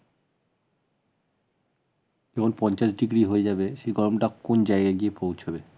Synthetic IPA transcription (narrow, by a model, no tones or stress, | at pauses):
ekʰonpɔnt͡ɕaʃɖiɡɾiɦoed͡ʑabeʃejɡɔɾomʈakːond͡ʑajɡaɡiepowt͡ɕʰobe